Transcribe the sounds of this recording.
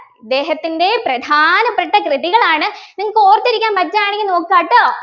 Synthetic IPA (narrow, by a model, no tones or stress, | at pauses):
id̪ːe̞ːɦɐt̪ːinde̞prɐd̪ʱaːnɐpːeʈːɐkrɨðiɣɐɭaːɳɨniŋːɐɭkoːrɐt̪ːiɾikʲːaːnmɐtːɐaːɳeŋʲɡʲːno̞ːkːaːʈːoː